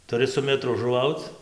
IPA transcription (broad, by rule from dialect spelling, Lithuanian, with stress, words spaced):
tʊˈrʲɪ sʊ mʲɛˈtrʊ ʒʊˈʋɐʊt͡s